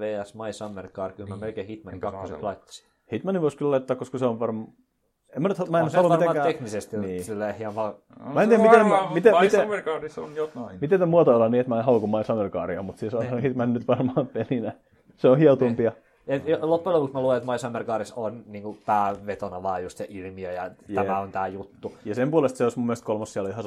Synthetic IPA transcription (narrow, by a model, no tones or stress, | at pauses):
ʋeːæsmɑisɑmːerkɑːrkylmæmelkeːhit̪mɑniŋkkɑkːoseklɑit̪ːɑ̥si̥ | hit̪mɑniʋoˑiskyllɑit̪ːɑːkoskɑseoʋʋɑrm | emːænyt̪hmæenyhɑlːumɑeɑːkæt̪eknisest̪iniːsilːehjɑʋɑ | mæent̪iæmmiemit̪emierkɑːrisonjoimit̪et̪æmuɑt̪ɑolːɑniːet̪mæehɑlukumɑisɑmːerkɑ̰ːriɑmut̪sisɑsɑnohit̪mɑnnyt̪ʋɑrmɑːmpelinæ | seohiɑt̪umpiɑ | elopːolopuksmælueet̪mɑisɑmːerkɑːɾisonniːŋkut̪æːʋet̪onɑʋɑːjust̪sɑʔilmiøjɑjæmæont̪æːjut̪ːujɑsempuɑlest̪seoismumːielest̪kolmɑssiæloihɑs